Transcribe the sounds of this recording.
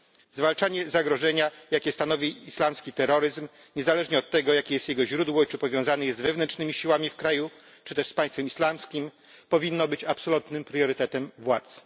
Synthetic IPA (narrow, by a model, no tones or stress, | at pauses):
zvalt͡ʂaɲɛzaɡɾɔʐɛɲajakʲɛst̪anɔvʲiislamskʲit̪ɛɾɔɾɘzm | ɲɛzalɛʐɲɛɔt̪ːɛɡɔjakʲejɛst̪jɛɡɔʑɾud̪wɔit͡ʂɘpɔvʲjɔ̃w̃zanɛjɛzd̪vɛvnɛnt͡ʂnɘmʲiɕiwamʲifkɾaju | t͡ʂɘt̪ɛʂspaj̃st̪fɛmislamskʲim | pɔvʲinːɔbɘt͡ɕapsɔlut̪nɘmpɾjɔɾɘt̪ɛt̪ɛmvwat̪s